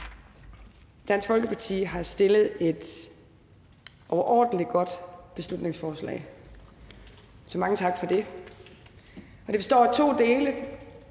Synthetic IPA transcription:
d̥æn̰sɡ̥fɒlɡ̥əpʰɑ̈t͡sʰḭːɦɑ̈sd̥e̝ləð̞̩ˠe̝d̥ | ʔɒʊɐʔɒ̰ːd̥n̩lid̥ɡ̥ɒ̽d̥b̥e̝slud̥ne̝ŋsfɒːslɛ̰ːɪ | sɒ̽mɑ̈ŋət͡sʰɑ̈ɡ̥fɒ̽d̥e̝ | ɒ̽d̥e̝be̝sd̥ɒ̰ːt͡sʰo̝̰ːd̥e̝ːlə

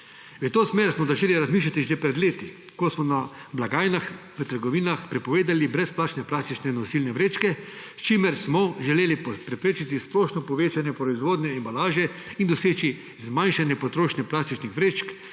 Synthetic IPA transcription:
ʋət̪oːsmeːɾsmɔzaʒeːliɾazmiːʃ̬lat̪iʒɛpɾɛd̪leːt̪i | kosmɔnablaɡaːjnax | ʋət̪əɾɡɔʋiːnaxpɾɛpɔʋeːd̪alibɾɛsplaːt͡ʃnɛplaːst̪it͡ʃnɛinɔsilnɛʋɾeːt͡ʃkɛst͡ʃimɛɾsmɔʒɛleːlippɾɛpɾeːt͡ʃit̪isploːʃnɔpɔʋeːt͡ʃanjɛpɾɔizʋoːd̪nɛɛmbalaːʒɛ | ind̪ɔseːt͡ʃi | zmajnʃanjɛpɔt̪ɾoːʃnɛplaːst̪it͡ʃnixʋɾeːt͡ʃk

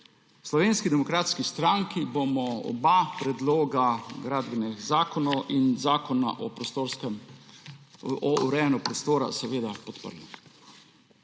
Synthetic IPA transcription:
slɔʋeːnskid̪ɛmɔkɾaːt̪skist̪ɾaŋkibomɔɔ̰bapɾɛd̪loːɡaɡɾaːd̪bɛnɛɡzaːkɔnɔʔinzaːkɔna̰ʔɔpɾoɾkɛm | ɔuɾɛːnɔpɾɔst̪oːɾa̰sɛʋeːd̪apɔt̪pə̰ɾli

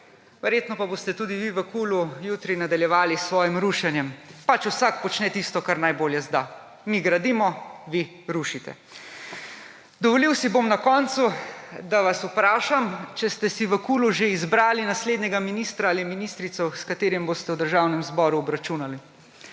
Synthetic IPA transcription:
ʋɛɾjeːt̪nɔpabost̪ɛt̪uːd̪iʋiʋəkulujut̪ɾinad̪aljɛʋaːlisːʋɔːjimɾuːʃɛnjɛmpat͡ʃusak̚pɔt͡ʃnɛt̪ist̪ɔkaɾnajboːljɛzd̪a | miɡɾad̪iːmɔʋi | ɾuʃit̪ɛ̰ | d̪ɔʋɔliwsibomnakɔːnt̪sud̪aʋasupɾaːʃamt͡ʃɛst̪ɛsiʋəkuluʒeizbɾaːlinasled̪nɛɡaminiːst̪ɾaːliminist̪ɾit̪sɔskat̪eːɾimbost̪ɛwd̪əɾʒawnɛmzbɔːɾuɔbɾat͡ʃuːnali

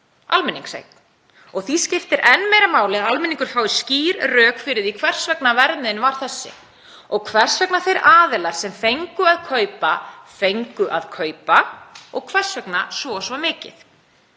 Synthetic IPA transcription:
a̰lmɪnːĩŋksḛjt̪n | ɔɣθiscɪft̪ɪɾɛnːmejɾamaːwlɪalmɪniŋkʏɾ̥faːwisciːɾrœːkfɪɾɪðikʰvɛr̥svɛknavɛɾmɪðɪnvaɾ̥θɛsːɪ̰ | ɔɣkʰvɛr̥svɛknaθejɾaːðɪlaɾ̥sɛmfejŋkʏaðkʰœːɥpafejŋkʏʔaðkʰœːɥpaɔɣkʰvɛr̥svɛknasvɔsvamɪːcɪ̰θ

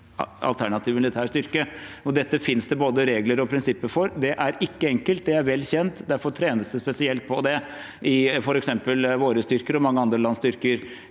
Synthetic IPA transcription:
ɑ̰lt̪ʰæɳɑt̪ʰiːʋmɪlɪt̪ʰæːʂt̪ʏɾkəɔd̪ɛt̪ːəfɪnsd̪ɛboːd̪əɾeːɡləɾɔpʰɾɪnsɪpːəɾfɔɾd̪ɛʔæɾɪkːəɛŋkəlt̪̚d̪ɛæɾʋɛlːçɛnt̪d̪æɾfɔɾt̪ʰɾeːnəsd̪əspɛsɪɛlt̪̚pʰɔd̪ɛ | ʔɪfɔɾɛksɛmpəlʋoːɾəst̪ʏɾkəɾɔmɑŋːəɑnd̪ɾəlɑnst̪ʏɾkəɾ

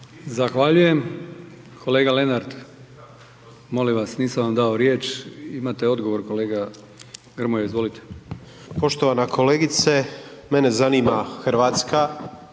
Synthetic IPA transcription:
zaxʋaʎuje̞m | kʰo̞le̞ːɡale̞naɾd̪ | mo̞limʋasniːsamʋamd̪aoɾjeːt͡ʃimat̪eo̞d̪ɡo̞ʋo̞ɾko̞le̞ːɡa | ɡr̩mojaizʋo̞lit̪e̥ | po̞ʃt̪o̞ʋanakʰo̞leɡit̪semene̞zaniːmaxrʋaːt̪ska

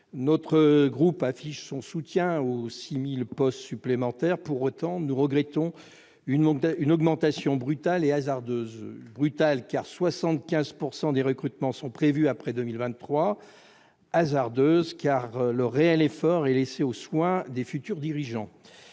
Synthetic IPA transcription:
nɔt̪χəɡʁupafiʃsɔ̃sut̪jɛ̃osimilpɔst̪syplemɑ̃t̪ɛʁpuʁot̪ɑ̃nuʁəɡʁɛt̪ɔ̃ | ynynɔɡmɑ̃t̪asjɔ̃bʁyt̪aleazaʁd̪øːzbʁyt̪alkaʁswasɑ̃t̪kʲɛ̃zpuʁsɑ̃d̪eʁəkχyt̪mɑ̃sɔ̃pχevyapχɛd̪ømilvɛ̃nt̪ːχwa | azaʁd̪øzkaʁləʁeɛlefɔʁɛleseoswɛ̃d̪efyt̪yʁd̪iʁiʒɑ̃

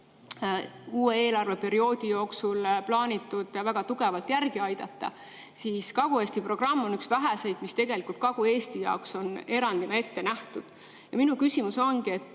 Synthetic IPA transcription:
uːe̞eːlɑrve̞pe̞ɾio̞ːd̪̥ijo̞ːksulplɑːnʲit̪ːˑud̪̥ɑvæɡ̥ɑt̪uɡ̥e̞vɑlt̪jærɡiɑjd̪̥ɑt̪ˑːɑ̰ | siːskɑɡ̥ueːsʲt̪ipro̞ɡ̥rɑmːonyksvæɦæsejd̪̥mist̪e̞ɡ̥e̞likˑult̪̚kɑɡ̥ue̞ːst̪ijɑ̰okso̞ne̞ɾɑnd̪̥inɑe̞t̪ːe̞næht̪ud̪̥ | jɑminukysimuso̞nɡie̞t̪ː

